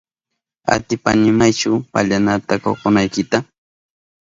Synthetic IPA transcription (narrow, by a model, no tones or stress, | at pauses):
a̰t̪ɪpa̰nɪmajt͡ʃʊpaʎanat̪ako̰qʊnajkɪt̪a